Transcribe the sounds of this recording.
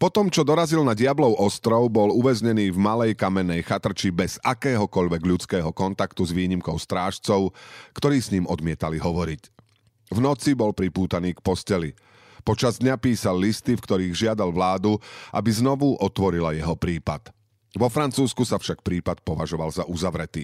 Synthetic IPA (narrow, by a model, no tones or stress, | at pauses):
pɔt̪ɔmt͡ʃɔd̪ɔɾazilnaɟɪablɔʊʔɔst̪ɾɔʊbɔluʋɛzɲɛniːvmalɛjkamɛnːɛjxat̪r̩t͡ʃibɛz̥akɛːɦɔkɔʎʋɛɡʎut͡skɛːɦɔkɔnt̪akt̪uzʋiːɲimkɔʊst̪ɾaːʃt͡sɔʊkt̪ɔɾiːsɲiːmʔɔd̪mɪɛt̪aliɦɔʋɔɾic | vnɔt͡sibɔlpɾipuːt̪aniːkpɔscɛli | pɔt͡ʃazd̪ɲapiːsalːist̪ifkt̪ɔɾiːɣʒɪad̪alʋlaːd̪uʔabiznɔʋuʔɔt̪ʋɔɾilajɛɦɔpɾiːpat̪ | ʋɔfɾant͡suːskusafʃak̚pɾiːpat̪̚pɔʋaʒɔʋalzaʔuzaʋɾɛt̪ḭː